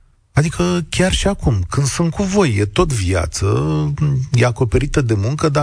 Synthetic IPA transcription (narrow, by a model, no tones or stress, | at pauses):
ad̪ikʰəkʲarʃiakumkɨnd̪sunt̪̚kuvo̞jːet̪o̞t̪via̰t̪sə | jeako̞pe̞ɾit̪əd̪e̞muŋkəd̪a